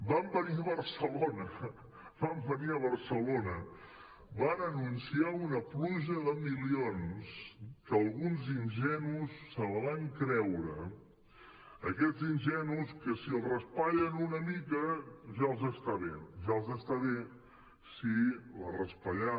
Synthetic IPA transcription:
bambəniəβəɾsəlonə | bambəniəβəɾsəlonə | banənunsiaunəpluʒəðəmilionskəəːlˠɣunzinʒɛnusːələβaŋkɾɛwɾə | əkɛzinʲʒɛnuskəsiəlˠrəspaʎənunəmikəʒaəlˠzəst̪aβeʒaəlˠzəst̪aβe | silərəspaʎa

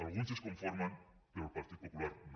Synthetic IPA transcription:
alɣunseskõɱfoɾmãnkeupaɾt̪id̪̚pokulaɾn

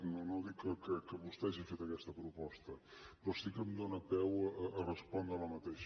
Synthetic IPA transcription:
nonoðikːəkəkəβust̪ɛaʒifet̪əkɛst̪əpɾupɔst̪əppɾɔsikəmd̪onəpɛwəʔəʔərəspɔnd̪ɾələmət̪eʃ

